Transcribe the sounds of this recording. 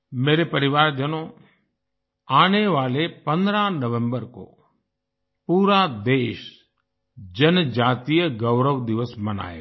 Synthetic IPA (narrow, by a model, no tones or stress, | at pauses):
meːɾepəɾɪʋaːɾd͡ʒənoː | aːneʋaːlepə̃nd̪ɾanəʋə̃mbəɾko̰ː | puːɾad̪eːʃ | d͡ʒənd͡ʒaːt̪ijəɡəʊɾəʋd̪ɪʋəsmɐna̰ːḛ